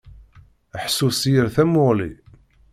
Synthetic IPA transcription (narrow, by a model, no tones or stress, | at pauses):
əħsusjəɾθæmʊʁlḭ